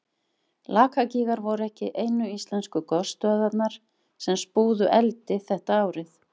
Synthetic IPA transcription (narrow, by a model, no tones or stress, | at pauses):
laːkʰaciːɣaɾvɔwɾʏɛhcɪʔeːjnʏist̪lɛnskʏkɔst̪œːðat̪naɾ̥ | sɛmspuːðʏʔɛlt̪ɪθɛht̪aaːwɾɪθ